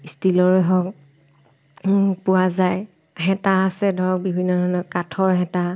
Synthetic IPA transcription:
istilɔɹɔɦɔk | pʊazaj | ɦɛtaasɛdʱɔɹɔk̚bibʱinːɔdʱɔɹnɔkatʰɔɹɦɛta

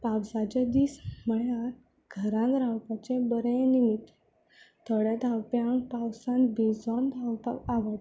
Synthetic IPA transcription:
pawsat͡ɕed̪iːsməɭaɾ | ɡʱəɾãnt̪ɾawpat͡ɕẽbəɾenimit̪ː | t̪ʰəɽjat̪awpeaɳpawsãnbid͡zamb̪ʱawt̪aaʋəʈ

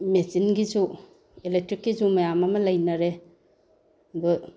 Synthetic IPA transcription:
mesinɡizu | elek̚tɾikːizumɐjamɐmɐlɐjnɐɾe | bɯ

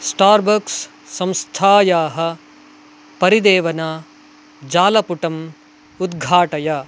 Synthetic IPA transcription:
sʈaːɾbɐksː | ɐ̃mst̪ʰaːjaːɦɐ̆ | pɐɾid̪eːʋɐnaː | d͡ʒaːlɐpuʈɐm | ud̪ɡʱaːʈɐjaː

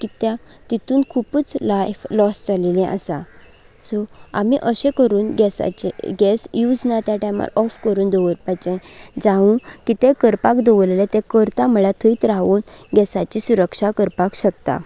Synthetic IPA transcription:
kit̪jã | t̪it̪uːnkʰuput͡slajflɔsd͡zalelɛ̃ʔə̰sa̰ | sɔam̤iʔəɕẽkəɾuːnɡɛsa̰t͡ɕḛɡɛsjud͡znat̪jaʈajma̰ɾɔfkəɾuːnd̪ɔʋəɾpajt͡ɕẽd͡zaũkit̪ẽkəɾpakd̪ɔʋəlelet̪ẽkəɾt̪aməɭat̪ʰəit̪ɾaʋuːnɡɛsat͡ɕisuɾəkʂakəɾpakɕəkt̪a̰

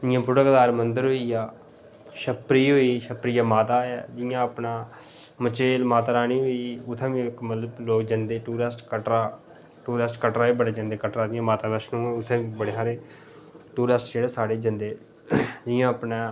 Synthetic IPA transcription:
d͡ʒɪjãːpɾʊɽəkd̪aːɾmənd̪əɾɦoːiːjaː | ʃəpɾiːɦoːiːʃəpɾiːaːmaːt̪aːɛːd͡ʒɪjãːəpnaː | mət͡ʃeːlmaːt̪ːɾaːnĩːɦoːiːʊt̪ʰːɛ̃ːʋĩkmət̪ləbloːkd͡ʒənd̪eːʈuːɾəsʈkəʈɾaː | ʈuːɾəsʈkəʈɾaːiːbəɽaːd͡ʒãnd̪eːkəʈɾaːd̪ɪjãːmaːt̪aːbɛʃnũːɛːʊt̪ʰːɛ̃ːʋibəɽeːɦaːɾeː | ʈuːɾesʈd͡ʒeːɽeːsaːɽeːd͡ʒənd̪eː | d͡ʒɪjãːəpnãː

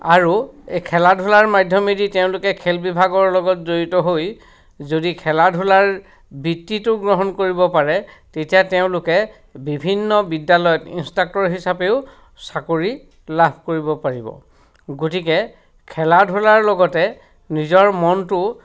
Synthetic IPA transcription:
aɹuekʰɛladʱʊlaɹmadʱjɔmediteʊ̃lʊkɛkʰelbibʱaɡɔɹlɔɡɔtzoɹitɔɦoj | zodikʰɛladʱulaɹ | bitːitʊɡɹɔɦɔnkoɹibɔpaɹɛtetijateʊ̃lʊkɛ | bibʱinːɔbidːalɔjɔtḭnstak̚tɔɹɦisapeʊ | sakoɹi | labʱkoɹibɔpaɹibɔ̰ | ɡotikɛ | kʰɛladʱʊlaɹlɔɡɔtɛ | nizɔɹmɔntʊ

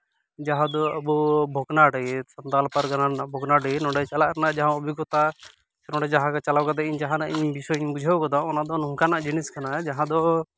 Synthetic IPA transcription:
d͡ʒaɦãd̪ɔəbubʱɔɡnaʈsɔnt̪alpaɾɡananabʱɔɡnaʈɛnɔ̃ɖɛt͡ʃalaʔɾanad͡ʒaɦãɔbʱiɡɔt̪a | sɛnɔ̃ɖɛd͡ʒaɦãkat͡ʃalawkad̪ɛiɲd͡ʒaɦãnaʔiɲbisɔiɲbud͡ʒʱawkɔd̪ɔɔnad̪ɔnuŋkanaʔd͡ʒiniskanad͡ʒaɦãd̪ɔ

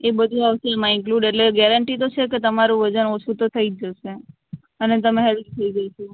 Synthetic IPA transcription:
ebəd̪ʱuaʋəsəmãɪŋkluɖeʈleɡɛɾəɳʈit̪̬ot͡ʃʰeket̪əmaɾũʋəd͡ʒənot͡ʃʰut̪ot̪ʰəid͡ʒəʃe | ənet̪̬əmẽɦɛlit̪ʰəiɡəʃʰu

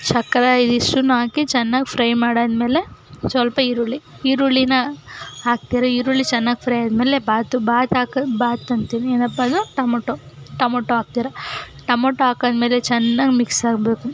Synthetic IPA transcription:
t͡ʃɐkːɐɾɐid̪iʂʈunaːkit͡ʃɛnːaːɡipʰɾɐjmaːɽɐd̪me̞ːlesʋɐlpɐiɾuɭiiɾuɭinɐaːk̚t̪iɾɐiɾuɭit͡ʃɛnːaːɡipʰɾɐjaːd̪meːlebaːt̪ubaːt̪aːkɐbaːt̪ːɐnt̪inieːnɐpːad̪uʈɐmoʈoʈɐmoːʈːoaːɡ̚t̪iːɾɐʈɐmoːʈːoaːkɐd̪meːlet͡ʃɛnːaːɡimiksaːɡbeːku

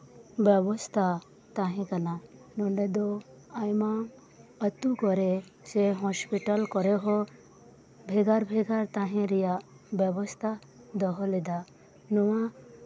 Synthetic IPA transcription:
bjɛbɔst̪ʰa | t̪aɦɛ̃kananɔɳɖed̪ɔ | ajmã | ət̪ukɔɾe | seɦɔspiʈəlkɔɾeɦɔ | bʱeɡaɾbʱeɡaɾt̪aɦɛ̃ɾija | bɛbɔst̪ʰa | d̪ɔɦɔlɛd̪a | nuwã

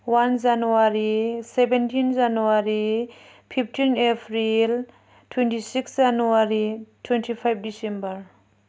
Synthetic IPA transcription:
wand͡ʒanuaɾisɛbɛntʰind͡ʒanuaɾi | pʰiptʰinepʰɾil | tʰwɛntisiksd͡ʒanuaɾitʰwɛntʰipʰajb̚disɛ̃mbəɾ

